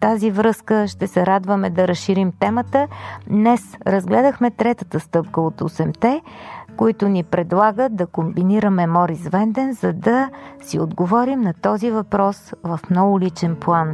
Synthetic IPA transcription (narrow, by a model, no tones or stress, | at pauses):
t̪azivɾɤskəʃt̪ɛsɛɾad̪vəmɛd̪ɐɾəsʃiɾimt̪ɛmət̪əd̪nɛsɾəzɡlɛd̪əxmɛt̪ɾɛt̪ət̪əst̪ɤpkəot̪osɛmt̪ɛkoit̪ʊnipɾɛd̪lˠaɡəd̪ɐkombiniɾəmɛmɔɾisvɛnd̪ɛnzɐd̪ɐsiod̪ɡovɔɾimnɐt̪ɔzivɐpɾɔsvəfmnɔɡʊlit͡ʃɛnplˠan